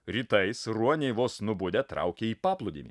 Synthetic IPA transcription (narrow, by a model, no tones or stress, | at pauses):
ɾʲiːt̪ɐɪsɾuɔnʲeɪʋoːsnʊbʊd̪ʲɛt̪ɾɐ̰ʊkʲeːiːpɑːplˠʊd̪ʲḭmʲḭ